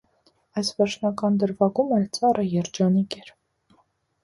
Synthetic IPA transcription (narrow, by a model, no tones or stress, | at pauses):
ɑjsvɛɾt͡ʃʰnɑkɑnd̪əɾvɑɡumɛlt͡sɑrəjɛɾd͡ʒɑnikɛɾ